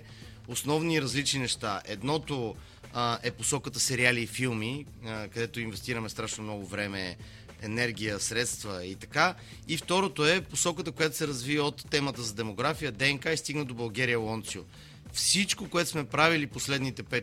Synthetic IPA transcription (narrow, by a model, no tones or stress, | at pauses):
osnɔvniːɾɐzlit͡ʃninɛʃt̪a̰ʔɛd̪nɔt̪o | ɛposɔkət̪əsɛɾialiːfilˠmi | kɐd̪ɛt̪oinvɛst̪iɾəmɛst̪ɾaʃnomnɔɡʊvɾɛmɛ | ɛnɛɾɡʲijəsɾɛt̪st̪vəit̪ɐ̥ka | ift̪ɔɾot̪oɛposɔkət̪əkojat̪o̥sɛɾɐzvivəot̪ːɛmət̪əzɐd̪ɛmoɡɾafijəd̪ɛɛŋkaist̪iɡnəd̪obɐlˠɡɛɾiəlˠɔnt̪sio | fsit͡ʃkokoɛt̪ʊ̥smɛpɾaviliposlɛd̪nit̪ɛpɛ